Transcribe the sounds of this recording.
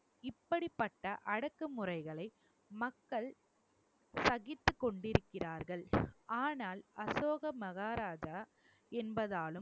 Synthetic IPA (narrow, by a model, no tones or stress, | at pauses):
ɪpːɐɽɪpːɐʈːɐʔɐɽɐkːɯmʊrɐɪɣɐɭɐɪ | mɐkːɐɭ | sɐɣɪt̪ːɯkːɔɳɖɪɾɯkːɪraːɾɣɐɭaːnaːlɐsoːɣɐmɐɣaːɾaːd͡ʒa | ɛnbɐðaːlɯm